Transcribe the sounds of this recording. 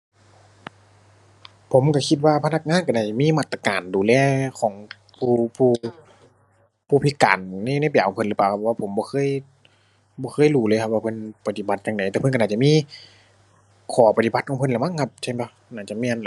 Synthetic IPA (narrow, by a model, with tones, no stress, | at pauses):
pʰo˨˦mka˧˩kʰi˧t̪̚waː˧pʰa˧na˧k̚ŋaː˧˥˨nka˧naː˧˩t͡ɕa˧˨miː˧˥˨maː˧˩t̪ːa˧kaː˨˩nduː˨lɛː˧˩kʰɔː˩˦ŋ | pʰuː˧˨pʰuː˧˩ | pʰuː˧pʰi˧ka̰ː˨nːa˧˨˧na˧˥˨p̬a˨˩kʰɔ˨˦ŋpʰɤ˧˨nlɯː˨˧˩paː˨˩kʰa˧p̚ʰːwaː˧pʰo˩˦mbɔː˧xʰɤː˧˥˨j | bɔː˧xʰɤː˧˥˨jluː˧˩lːkʰa˧p̚waː˧pʰɤ˧˨npa˧t̪i˧˩ba˧˦t̪̚jaː˧ŋda˨˩jt̪ɛː˧pʰɤ˧˨nka˧˨nːaː˧˩t͡ɕa˧˨miː˧˥˨ | kʰɔː˨˩˦pa˧˩i˧ba˧˦t̪kʰɔː˧˦pʰɤ˧˨nla˧˦ma˧˥˨kʰa˧p̚t͡ɕʰa˧˥˩nbɔ˧˦ | naː˧˩t͡ɕa˧˨mi˧˨l